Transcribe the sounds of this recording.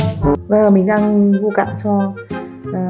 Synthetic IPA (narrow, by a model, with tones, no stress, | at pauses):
va˧˩laː˨˩mï˨˩ŋ̟ɗaː˧ŋvu˧ka̰ː˧˨mt͡ɕɔ˧˨˩